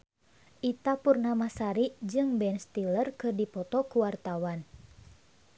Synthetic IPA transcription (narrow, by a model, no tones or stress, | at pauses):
ʔit̪apurnamasaɾiʔd͡ʒɨŋbɛnst̪ilərkɨrdipɔt̪ɔkuwart̪awan